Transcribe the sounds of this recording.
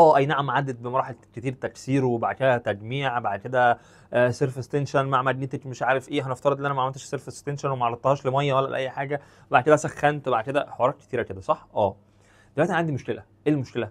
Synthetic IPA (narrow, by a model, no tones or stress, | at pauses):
ʔʔæːʔæjnaʕamʕad̪ːed̪̚bemɑɾˤɑːħeket̪iːɾt̪æksiːɾuwebaʕd̪̚ked̪æt̪æɡmiːʕbaʕd̪̚ked̪æ | seɾfest̪enʃænmaʕmæɡnet̪ekmeʃʕaːɾefʔeːɦæneft̪ɑɾɑd̪ʔenːʔænæmæʕmelt̪eʃseɾfest̪enʃænwemæʕɑɾˤɑd̪t̪hɑːʃlemæjːæwælːæʔlʔʔæjːħaːɡæ | webaʕd̪ked̪æsæxːænt̪wbaʕd̪̚ked̪æħowɑɾˤɑːt̪̚ke̥t̪iːɾæked̪æsˤɑħʔæː | d̪elwæʔ̪ʔænʕand̪imoʃkelʔæʔeːlmoʃkelæ